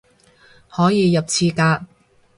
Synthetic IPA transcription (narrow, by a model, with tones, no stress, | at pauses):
hɔː˨˥jiː˨˧jɐ˨p̚t͡sʰiː˧kaː˧t̚